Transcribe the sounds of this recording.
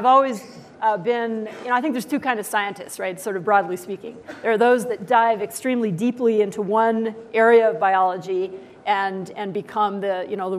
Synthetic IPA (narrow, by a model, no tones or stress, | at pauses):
ɨvɔlˠwiz | bɪ̃njɨnoʊaɪθɪ̃ŋk̚ðə˞z̥tʰʉkʰãɪ̃ndʌv̥saɪɨ̃ntɨ̰stsɹaɪtsɔɹɾʌvbɹɔdˡlispikɪ̰̃ŋðə˞ːðoʊzðɨt̚d̥aɪvɨkstɹ̥ĩmlidipliɪ̃ntʰuwʌ̃nʔɛɹiɨʌvbaɪɑlˠəd͡ʒi | ʔɨ̃nɨ̃nbɨkʰʌ̃mðɨjɨñoʊðə